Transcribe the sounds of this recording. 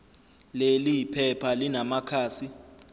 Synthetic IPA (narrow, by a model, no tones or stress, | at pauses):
lelijipʰɛpʰalinamakʰaːsi